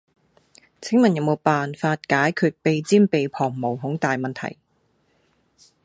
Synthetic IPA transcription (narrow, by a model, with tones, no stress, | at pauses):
t͡sʰɪ˥ŋmɐ˨njɐ˨wmo˨˧wpaː˨nfaː˧t̚kaː˨˥jkʰyː˧t̚pe˨˧jt͡siː˥npe˨jpʰɔː˨˩ŋmo˨˩wɦʊ˨˥ŋt̪aː˨jmɐ˨nt̪ʰɐ̰˨˩j